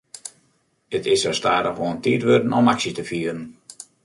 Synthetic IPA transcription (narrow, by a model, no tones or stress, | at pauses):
ətɪsosta̰ːdəxʋoəəntiːtʋødənɔmaksitəfiəɾən